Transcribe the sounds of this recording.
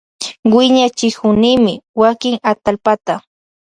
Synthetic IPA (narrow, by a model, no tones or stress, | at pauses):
wɪɲat͡ʃɪkʊnɪmɪwakɪŋat̪alpat̪a